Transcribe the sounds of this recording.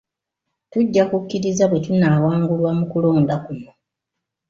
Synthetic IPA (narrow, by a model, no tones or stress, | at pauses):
tuɟːakukːiɾizaβwe̞tunaːwaːŋɡulwamukulo̞ːndakujo